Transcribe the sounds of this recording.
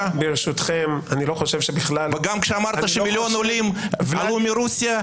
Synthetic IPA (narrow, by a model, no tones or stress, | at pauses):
beʁeʃut̪χemaniloχoʃevʃebiχlalveɡamkʃeamaɾt̪ɐʃemʲiljo̞nolimvalumʲiɾusʲija